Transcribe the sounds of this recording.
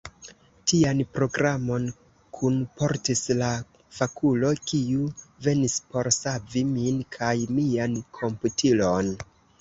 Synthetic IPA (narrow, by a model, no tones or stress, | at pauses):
tianpɾo̞ɡɾamo̞n | kʰunpo̞ɾtisla | fakʰulo̞kiuve̞nispo̞ɾsaviminkʰajmiankʰo̞mputʰilo̞n